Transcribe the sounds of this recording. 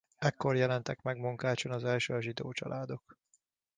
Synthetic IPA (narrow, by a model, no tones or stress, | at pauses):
ɛkːo̞rjɛlɛnt̪ɛkmɛɡmuŋkaːt͡ʃonɒzɛlʃøːɒʒid̪oːt͡ʃɒ̰lʔaːd̪o̞k